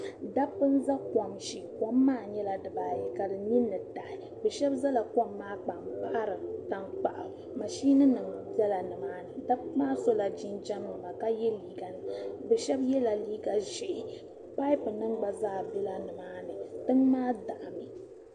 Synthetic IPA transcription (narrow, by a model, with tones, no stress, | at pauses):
da˦pːɨ˦n̩˦za˦kɔ˨mʃi˨kɔ˦mːaː˦˨ɲɛ˦la˨dɨ˨baː˦jɛ˦ka˨dɨ˨ni˦nːɨ˨da˨ʔɪ˨ | bɛ˨ʃɛ˦bza˦la˨kɔ˦mːaː˦k͡pa˨mpa˦ɾɨ˨ta˦ŋk͡pa˨ʔa̰˨ | ma˨ʃi˦na˦nɨ˨ŋbɛ˦la˨nɨ˨maː˨˦nɨ˨da˦pmaː˦so˦la˨d͡ʒi˦nd͡ʒa˦m˦nɨ˨ma˨ka˦jɛ˦liː˦ɡa˨nɨ˨bɛ˨ʃɛ˦bjɛ˦la˨liː˦ɡa˨ʒɛ˨ | pa˦i˦pɨ˨nɨ˦ŋɡ͡ba˨zaː˦˨bɛ˦la˦nɨ˨maː˦nɨ˨tɨ˦ŋmaː˦da˨ʔmi˨